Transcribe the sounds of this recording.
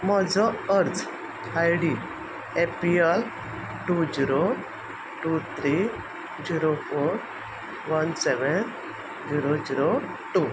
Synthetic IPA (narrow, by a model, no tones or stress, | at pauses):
mɔd͡zɔəɾt͡s | ajɽi | epiel | ʈud͡ziɾo | ʈut̪ʰɾi | d͡ziɾofoɾ | ʋənseʋən | d͡ziɾod͡ziɾo | ʈu